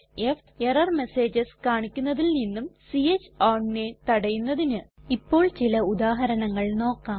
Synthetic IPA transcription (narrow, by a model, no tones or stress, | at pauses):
ef | erɐrme̞se̞ːd͡ʑɐskaːɳikʲːunːɐðilninːumsiet͡ɕːaːɳne̞t̪ɐɽɐjunːɐðinɨipːo̞ːɭt͡ɕilɐud̪aːɦɐɾɐɳɐŋːɐɭno̞ːkːaːm